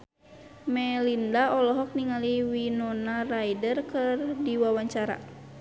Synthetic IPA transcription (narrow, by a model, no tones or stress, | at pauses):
mɛlindaɔlɔɦɔk̚niŋaliwinɔnarajdərkɨrdiwawaɲt͡ʃaɾa̰